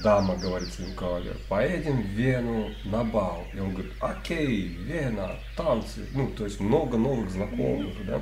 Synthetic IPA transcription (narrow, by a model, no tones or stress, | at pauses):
d̪aməɡəvɐɾʲit̪sɪnʲɪkɐalʲḛpɐjedʲɪmvʲenʊ | nɐbalˠionɡəʋɐɾʲit̪ɐkʲej | vʲenat̪ant̪sɨ̰nut̪ojsʲmnoɡənovɨɣznɐko̰mɨxd̪a̰